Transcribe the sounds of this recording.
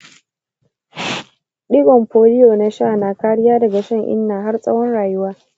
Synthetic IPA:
ɗɪ˦ɡɔ˨mɸoː˨lɪ˦joː˨na˦ʃaː˦˨na˨kaː˦ɽɪ˦jaː˦dɐ˨ɡa˨ʃɐ˦˨ŋʔɪ̰˦nːaː˨ɦa˦rsʼɐ˦wɔ˦nɽaː˨jʊ˦waː˦

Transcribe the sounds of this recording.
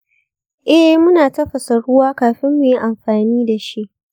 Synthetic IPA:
ʔɛ˦hmʊ˦naː˨tɐ˦ɸɐ˨sɐ˨ɽʊ˦waː˦kaː˨ɸɪ˦mːu˨ji˦ʔa˨mɸaː˨niː˦da˨ʃi˦ʔ

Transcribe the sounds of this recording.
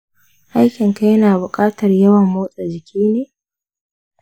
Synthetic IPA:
ʔa˦jkʲɪ˨ŋka˦jnaː˨bʊ˨kʼaː˦tɐ˨rjɐ˦wɐ˨mːoː˦sʼa˨d͡ʒɪ˨kʲiː˦neː˨

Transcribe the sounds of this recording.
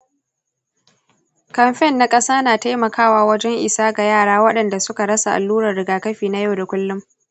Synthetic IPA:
kɐ˨mɸɛ˦˨nːa˨kʼɐ˦saː˦naː˨ta˦jmɐ˨kʰaː˦˨waː˨wɐ˦d͡ʒɛ˦ŋʔɪ˨saː˦ɡa˨jaː˦˨ɽaː˦wɐ˦ɗɐ˨nda˨sʊ˦ka˨ɽɐ˦sa˨ʔa̰˨lːuː˦ɽɐ˨rɽɪ˨ɡaː˨kɐ˦ɸiː˨na˦ja˦˨wda˨kʷʊ˦lːʊ˦m

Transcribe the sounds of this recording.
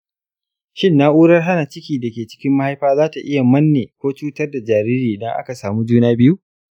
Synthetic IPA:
ʃɪ˦˨nːa˦ʔuː˦ɽɐ˦rɦa˦na˨t͡ʃɪ˦kʲiː˨da˨kʲeː˨t͡ʃɪ̥˦kʲɪ˦mːa˦ha˦jɸaː˦zaː˦ta˨ʔɪ˦ja˨mɐ˦nːeː˨kʷoː˦t͡ʃuː˦tɐ˦rda˨d͡ʒaː˨ɾiː˦ɾiː˨dɐ˦ŋʔa̰˦ka˨saː˨muː˦d͡ʒuː˦naː˦bɪ˦ju˦

